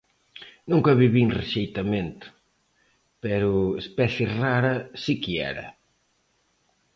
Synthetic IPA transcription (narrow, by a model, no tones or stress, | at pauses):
nũŋkɐβiβinreʃejt̪ɐmẽnt̪ʊ̥ | pɛɾʊespɛθjeraɾɐsikiɛ̰ɾɐ̰